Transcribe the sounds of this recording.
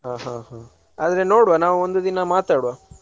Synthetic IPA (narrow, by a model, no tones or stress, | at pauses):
ɦãːɦãːɦaː | aːd̪ɾe̞no̞ːɽʋanaːʋuond̪ud̪inɐmaːt̪aːɽʋaː